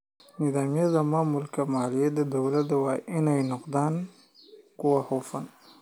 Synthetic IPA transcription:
nɪd̪aːmijazamaːmʊlkamaːlijed̪əd̪awlat̪̚d̪əwaʔinajnʊqd̪aːn | kuwahofan

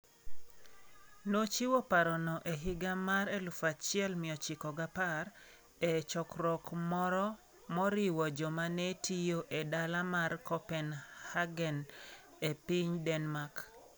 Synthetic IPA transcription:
not͡ʃiwɔpaɾɔnɔʔeɦɪɡamaɾelufat͡ʃɪɛlmɪɔt͡ʃɪkɔɡapaɾ | et͡ʃɔkɾɔkmɔɾɔ | mɔɾɪwɔd͡ʒɔmanetʰijoʔedalamarkɔpɛnhaɡɛn | epiɲdɛnmak

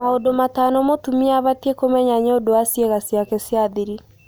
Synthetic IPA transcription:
maodomatanɔmotumiaβatekomɛɲaɲodoasjeɣasjakɛsjaðiɾi

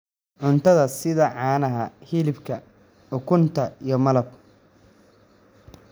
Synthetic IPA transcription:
ʕʊnt̪ʰɐðɐsɪðɐʕɑːnɐɦɐhɪlɪbkʰɐ | ʕʊkʰʊnt̪ʰɐijɞmɐlɐb

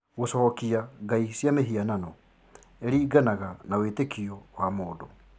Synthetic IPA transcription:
ɣosɔɔkiaɡaisjameɦiananɔ | eɾiːɡanaɣanawetekʰiɔwamoːdo

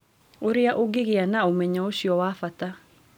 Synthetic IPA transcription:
oɾejaʔoɡeɣeanaomɛɲɔoɕiɔwafata

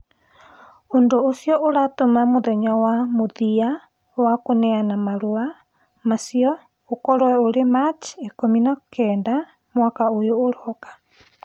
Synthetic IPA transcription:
ondoːsiɔʔoɾatomamoðɛɲawamoðia | wakonɛanamaɾua | masiɔ | okɔɾɔwɛoɾemat͡ʃekominakʰɛːnda | mwakaojoːɾɔkḁ

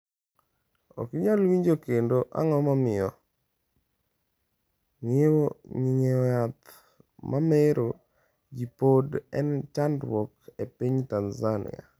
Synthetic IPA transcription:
o̰kɪɲalwiɲd͡ʒokendoʔa̰ŋɔmamɪɔ | ŋewoɲiɲejat̪ | mʔameɾo | d͡ʒipodɛnt͡ʃandwɔkepiɲtanzanɪ̰a̰

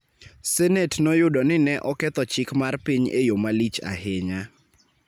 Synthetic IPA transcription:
sɛnɛtnɔjʊdɔnɪnɛʔɔkɛt̪ɔt͡ʃɪkmarpiɲḛjomalit͡ʃa̰ɦɪɲa

